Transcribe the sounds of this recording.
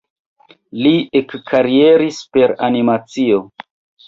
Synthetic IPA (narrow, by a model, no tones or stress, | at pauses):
liekkʰaɾie̞ɾispe̞ɾanimat͡sio̞